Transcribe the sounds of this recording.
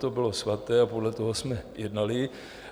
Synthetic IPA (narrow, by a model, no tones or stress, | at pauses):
t̪obɪlosʋat̪ɛːapodlɛt̪ɔɦɔsmɛjɛd̪nalɪ